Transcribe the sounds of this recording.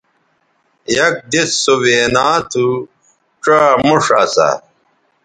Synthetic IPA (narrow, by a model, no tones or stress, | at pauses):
jɐk̚d̪esːoweːnaːt̪ʰu | ʈ͡ʂamuʂɐ̰sa̰